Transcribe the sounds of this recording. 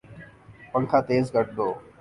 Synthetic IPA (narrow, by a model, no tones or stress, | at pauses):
pə̃ŋkʰãːt̪eːzkəʈ̚d̪oː